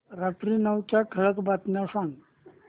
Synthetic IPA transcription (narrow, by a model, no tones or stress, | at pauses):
ɾat̪ɾinəwt͡ɕakʰəɭəkbat̪naʂãŋɡ